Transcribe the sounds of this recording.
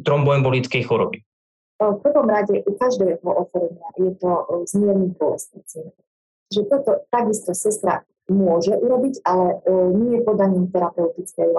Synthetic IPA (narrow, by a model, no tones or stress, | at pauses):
t̪ɾɔmbɔɛmbɔlit͡skɛjxuɾɔbi | fpr̩ʋɔmɾaɟɛʔukaʒd̪ɛːɦɔʔɔxɔɾɛɲɪajɛt̪ɔzmɪɛɾɲid̪ʊɔlɛ̰st̪ɛt͡snɛ | t͡ʃʒɛt̪ɔt̪ɔt̪aɡist̪ɔsɛst̪ɾa̰ | mʊɔʒɛʔuɾɔbiɟalɛɲɪɛjɛpɔd̪aɲiːmt̪ɛɾapɛut̪it͡skɛj